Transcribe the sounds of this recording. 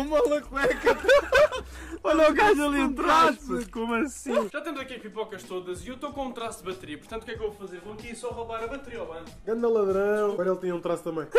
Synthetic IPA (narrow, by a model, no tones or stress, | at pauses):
umɐlˠɐʁɛkɐ | ɔʎɐ̃ɡaʒɐlˠiũt̪ɾasukomɐsĩʒat̪ẽmzɐkiʁipɔkɐʃt̪oðɐziewt̪okõũt̪ɾasd̪βɐt̪ɨɾiɐpuɾt̪ɐ̃nukɛkevofɐzeɾvõɐkiɾsɔʁɐβaɾɐβɐt̪ɨɾiɐɔβɐ̃nuɡɐ̃nd̪ɐlˠɐðɾɐ̃w̃ɡɔɾɐelˠt̪iɲɐũt̪ɾast̪ɐ̃mɐ̃j̃